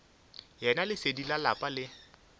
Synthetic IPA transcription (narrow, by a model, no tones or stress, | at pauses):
jɛnalɪsedilalapʼalɪ